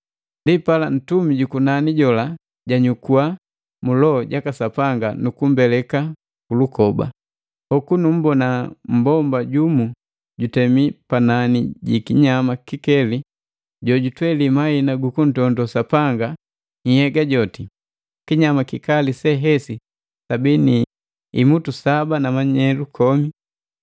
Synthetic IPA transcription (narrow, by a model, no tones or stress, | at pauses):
ndipalan̩tumiɟukunaniɟɔla | ɟaɲukua | mulɔɟakasapaŋɡanukum̩bɛlɛka | kulukɔba̰ | hɔkunum̩bɔnam̩bɔmbaɟumu | ɟutɛmipananiɟikiɲamakikɛli | ɟɔɟutwɛlimainaɡukun̩tɔndɔsapaŋɡa | ɲihɛɡaɟɔti | kiɲamakikalisɛɦɛsi | sabini | imutusabanamaɲɛlukʰɔmi